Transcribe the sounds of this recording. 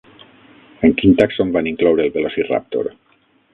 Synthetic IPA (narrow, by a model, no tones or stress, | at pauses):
eŋkint̪aksombaniŋklɔwɾeːlβelosira̰p̚t̪o̰ɾ